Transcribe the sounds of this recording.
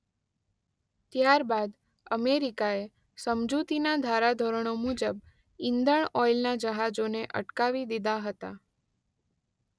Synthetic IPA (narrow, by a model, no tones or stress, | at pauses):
t̪jaɾbad̪ | əmeɾikae | səmd͡ʒut̪inad̪ʱaɾad̪ʱoɾəɳ̃omud͡ʒəb | ɪ̃nd̪əɳ̃ɔjlnad͡ʒəɦad͡ʒoneʔə̰ʈkaʋid̪id̪aɦət̪a̰